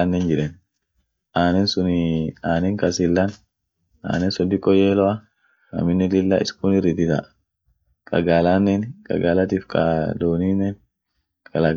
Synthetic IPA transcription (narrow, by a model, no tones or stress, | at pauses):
anːɛnd͡ʒɪɾɛn | aːnɛnsʊnaːnɛŋkɐsɪlːɐn | ʔa̰ːnɛnsɔd̪ːɪkʼːɔjeːlɔɐ | nɐ̰mɪnːɛlɪlːa̰ːʔɪskʊnɪrɪd̪ɪt̪ɐ̰ | kʼɐɡaːlaːnːɛnkʼɐ̰ɡaːlɐt̪iːfkʼɐ̰d̪oːninːɛn | kʼɐlaɡ